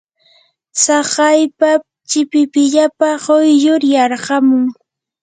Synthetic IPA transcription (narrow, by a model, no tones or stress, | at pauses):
sɑɢɑjpa | t͡ʃɪpɪpɪʎapaɢojjʊɾjɑɾɢɑmʊŋ